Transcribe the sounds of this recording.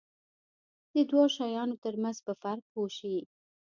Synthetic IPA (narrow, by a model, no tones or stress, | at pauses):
d̪̥əd̪wɑʃɑjɑnot̪əɾmanzpəfaɾk̚poʃi